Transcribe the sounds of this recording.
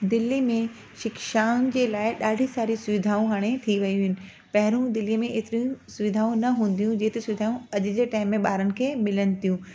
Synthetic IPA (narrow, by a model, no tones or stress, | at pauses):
d̪ɪlːimẽ | ʃɪkʃaːʊnɪ̆d͡ʑeːlaːɪɗaːɖʱisaːɾisʊʋɪd̪ʱaːũɦaːɽ̃et̪ʰiʋɐjũɦɪnɪ̆ | pɐɦɪɾũd̪ɪlijəmẽeːt̪ɪɾijũsʊʋɪd̪ʱaːũnɐɦũːn̆d̪ijũd͡ʑeːt̪ɪsʊʋɪd̪ʱaːũɐʄʊ̆d͡ʑeːʈaːɪmːẽɓaːɾənɪ̆kʰeːmɪlənɪ̆t̪ijũ